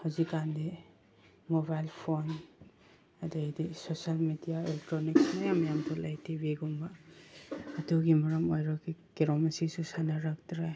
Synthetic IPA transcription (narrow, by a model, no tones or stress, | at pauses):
hazikandi | mobajlpʰon | ɐdadisosalmidijaelek̚tɾoniksmajamjamtʰulajtibiɡumbaː | tuɡimɐɾɐmojɾɔkikeɾomɐsisusanaɾak̚tɾaj